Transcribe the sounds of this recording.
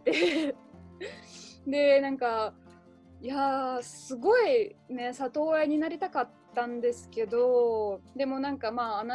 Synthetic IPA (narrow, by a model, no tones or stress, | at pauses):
t̪e | d̪e̞nãŋka | jasɨɡo̞ine̞sat̪o̞ːeɲ̟inaɾʲit̪akat̪ːãnd̪e̞sɨ̥ke̞d̪o̞d̪e̞mo̞nãŋkamaːna